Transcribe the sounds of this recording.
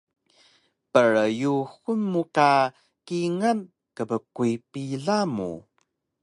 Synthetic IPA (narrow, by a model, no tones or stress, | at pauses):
pəɾjuxunmuka | kiŋən | kəbəkuipiɮamṵ